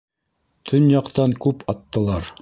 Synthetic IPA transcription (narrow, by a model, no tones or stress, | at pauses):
t̪ʰɵnjɑqt̪ɑŋkʉpɑt̪ːɤ̆lˠɑɾ